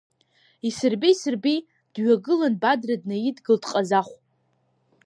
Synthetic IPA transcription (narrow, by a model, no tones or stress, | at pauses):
isɨrbisɨrbi | d̥ɥaɡɨlanbadradnajidɡɨldqʼazaχʷ